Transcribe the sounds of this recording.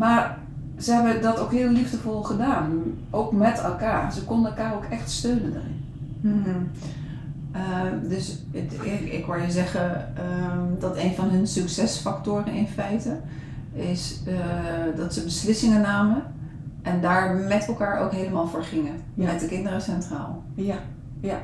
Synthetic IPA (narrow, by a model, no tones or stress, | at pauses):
maːɹ | z̥əɦɛbədɑtowkɦɪːlivdəvɔlˠχədaːn | ʔowkmɛtɛlˠkaːrz̥əkɔndəɛlˠkaːrowkɛχtstøɥnənda̰rɪ̰n | ədɵs | ɪ̰kʋajəzɛχə | dɑtejnvɑnɦɵnsɵksɛsfɑktʊːrənɪnfɛjtə | ɪsədɑtsəbəslɪsɪŋənaːmə | ʔɛndaːɹmɛtɛlˠkaːɹʔo̰wkɦejləmaːlˠvoːɹχɪŋən | atdəkɪndərəsɛntra̰ːlˠ